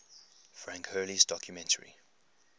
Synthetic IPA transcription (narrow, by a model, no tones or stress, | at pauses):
fɹãŋkhɜːlizdɔkʰjumɛ̃ntʰəɹḭ